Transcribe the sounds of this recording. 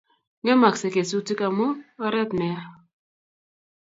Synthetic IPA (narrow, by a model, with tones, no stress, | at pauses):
ŋe˦ma˨kse˨ke˨su˦ti˦ka˨mu˦ɔ˦ɾɛ˦pnɛ˨a˦